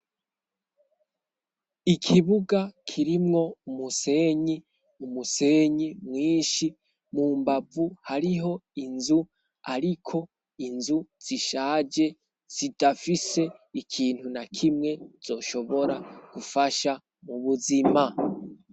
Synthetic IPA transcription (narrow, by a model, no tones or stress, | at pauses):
ikʰiβuɡakʰiɾimŋo̞umuse̞ɲi | umuse̞ɲimŋiːʃi | muːmbab͡vuhaɾiɦo̞inzu | a̰ɾikʰo̞ | inzuz̥iʃaːd͡ʒe̞ | z̥idafise̞ikʰiːn̥hunakʰimŋe̞z̥o̞ːʃo̞βo̞ɾaɡ̥ufaʃa | muβuzima